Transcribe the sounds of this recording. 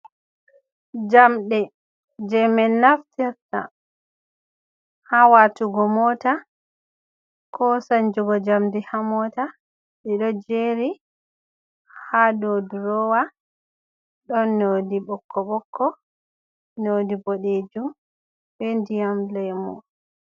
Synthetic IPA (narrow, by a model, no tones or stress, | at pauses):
d͡ʒamɗɛ | d͡ʒɛmɛnːaftiɾta̰ | hawatuɡɔmɔta | kʰɔsand͡ʒuɡɔd͡ʒamdihamɔta | ɓɛɗɔd͡ʒeɾi | hadoduɾɔwa | ɗɔnːodiɓɔkʰːɔɓɔkʰːɔ | nodiboɗed͡ʒum | bendijamlɛmɔ̰